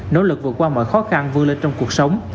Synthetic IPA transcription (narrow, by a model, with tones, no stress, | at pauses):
no̰˧˥lɨ˨˩k̚vɨ̰˨˧˩əkwaː˧mə̰ː˧˨˩jxɔ˨˦xa˧nvɨ˧le˧nt͡ɕɔ˧wŋ͡mku˨˩ək̚sə˨˦wŋ͡m